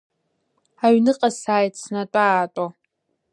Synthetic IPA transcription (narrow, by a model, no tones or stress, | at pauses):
aɥnɨqʼasaːjtsnatʷʼaːtʷʼa